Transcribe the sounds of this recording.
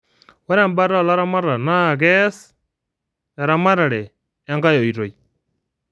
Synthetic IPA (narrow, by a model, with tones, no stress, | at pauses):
wa˦ɾa˦˨mba˦ɾa˦˨la˦ɾa˦ma˦ɾa˨na˦˨ɣɛ˦s | a˨ɾa˦ma˦ɾa˨ɾɛ˨ | a˦ŋɡa˦jo˨i˨ɾo˨i˨